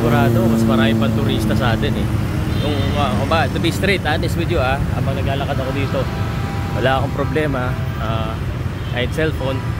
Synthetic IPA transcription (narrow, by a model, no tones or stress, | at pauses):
ɡʊɾaːd̪okɐsmɐɾaːjɪpɐŋt̪ʊɾiːst̪ɐsaːt̪ɛnɛ | nʊŋaɐbat̪ʊbist̪ɾɛt̪ʔaːnɪsbid̪joʔaa̰bɐŋnɐɡ̚laːlɐkɐd̪ɐkod̪iːt̪o̞ | wɐlaʔɐko̞ŋpɾoblɛːmɐ | aː | ʔɐjd̪sɛlfon